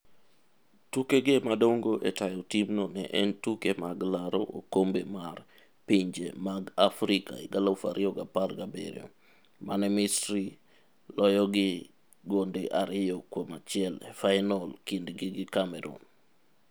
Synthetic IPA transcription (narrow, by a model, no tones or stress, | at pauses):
tukeɡemadoŋɡoʔetajɔtimnonɛ̰ʔɛntukemaɡlaɾo̰ʔo̰kombemar | piɲd͡ʒḛmaɡafɾika̰ḭɡalafa̰ɾʔɪɔɡaparɡabḛɾḭɔ̰ | manɛmɪstɾi | lɔjɔɡɪ | ɡondeʔaɾɪjɔkwomat͡ʃɪɛlefajnɔlkindɡiɡɪkamɛɾɔ̰n